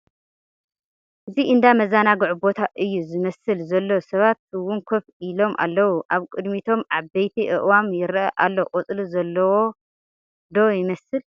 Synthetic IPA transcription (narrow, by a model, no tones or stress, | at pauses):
ʔɨziʔɨnd̪amɐzanaɡɨʕubo̞t̪ʰaʔɨjːuzɨmɐsɨlzɐlːo̞sɐβat̪̚ɨwʊnkʰofʔilo̞mʔa̰lːɐwuʔaβkʼɨd̪mit̪ʰo̞mʕabɐjt̪ʰiʔɨʔwamjɪɾʔɐʔalːoʔʼot͡sʼluzɐlːɐwo | d̪o̞jɪmɐsɨl